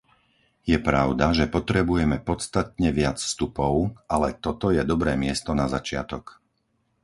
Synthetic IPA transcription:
jɛpɾaʊd̪aʒɛpɔt̪ɾɛbujɛmɛpɔt̪st̪at̪ɲɛʋɪat͡sfst̪upɔʊalɛt̪ɔt̪ɔjɛd̪ɔbɾɛːmɪɛst̪ɔnazat͡ʃɪa̰t̪ɔk

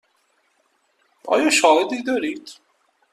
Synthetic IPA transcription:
ʔɒ̰ːjɒːʃɒːɦed̪id̪ɒːɾiːd̪̥

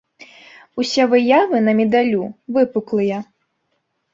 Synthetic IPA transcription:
usʲɛvɨjavɨnɐmʲɛd̪alʲuvɨpuklˠɨjɐ

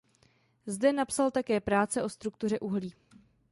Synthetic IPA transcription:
zdɛnapsalt̪akɛːpɾaːt͡sɛʔo̞st̪ɾuk̚t̪ur̝ɛʔuɦliː

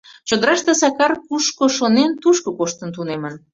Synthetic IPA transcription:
t͡ɕod̪əɾɑʃt̪esɑkɑrkuʃkoʃonent̪uʃkokoʃt̪ə̆nt̪unemə̆n

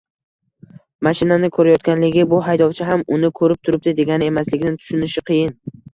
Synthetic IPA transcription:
maʃɪnanɪkʰɵɾajɒt̪̚kʲanlɪɡʲɪbʊɦajd̪ɒwt͡ʃʰɪɦamʊnɪkʰɵɾɪp̚t̪ʰʊɾɪp̚d̪ɪd̪e̞ɡʲanɪe̞maslɪɡʲɪnɪt̪ʰʊ̥ʃʊnɪʃɪqʰɨjɪn

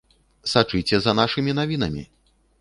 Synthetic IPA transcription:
sat͡ʂɨjt͡sʲɛzɐnaʂɨmʲinavʲin̪ɐmʲḭ

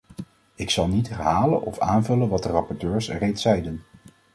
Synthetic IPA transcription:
ɪksɑlˠnitɦaːlə̰nɔ̰faːnvɵlənʋɑt̚dərɑpɔɹtøːɹsrejtsɛjdən

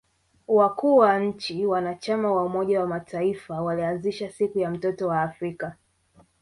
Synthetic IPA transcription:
wakuːwaɲ̩t͡ʃiwanat͡ʃamawaumɔʄawamatʰaifawalianziʃasikujam̩tɔtɔwaːfɾika

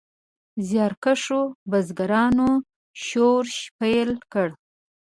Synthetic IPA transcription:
zjɑɾkaʂobazɡaɾɑno | ʃoɾʃpajlkəɽ

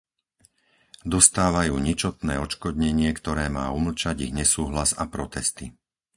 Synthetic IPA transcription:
d̪ɔst̪aːʋajuːɲit͡ʃɔt̪nɛ̰ːɔt͡ʃkɔd̪ɲɛɲɪɛkt̪ɔɾɛːmaːuml̩t͡ʃaɟiɣɲɛsuːɦlaza̰pɾɔt̪ɛst̪i

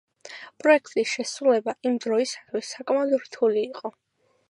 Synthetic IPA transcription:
pʼɾɔɛkʰt̪ʼisʃɛsɾulɛbaʔimd̪ɾɔisad̪ʰwisːakʼmad̪ɾt̪ʰuliːqʼɔ

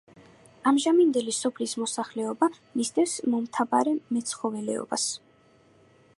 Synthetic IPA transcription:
amʒamind̪ɛlisɔpʰlismɔsaχlɛɔba | mist̪ʰʼɛfsmɔmt̪ʰabaɾɛmɛt̪sʰχɔvɛlɛ̰ɔ̰ba̰s

